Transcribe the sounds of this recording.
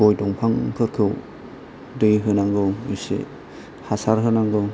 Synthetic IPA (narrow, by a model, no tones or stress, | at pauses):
ojdɔŋpʰaŋkʰɯɾkʰɯw | dɯjɦɯnaŋɡɯwisḭ | hasaɾɦɯnaŋɡɯ